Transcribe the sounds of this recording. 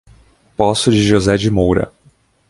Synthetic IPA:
pɔsʊd͡ʒɪʒozɛd͡ʒɪmowɾɐ̰

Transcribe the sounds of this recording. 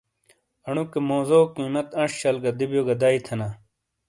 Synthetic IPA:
ɐɳukemoːzoːkĩːmɐt̪ɐ̃ɕɕɐlɡɐd̪ibjoːɡɐd̪aːit̪ʰɐna

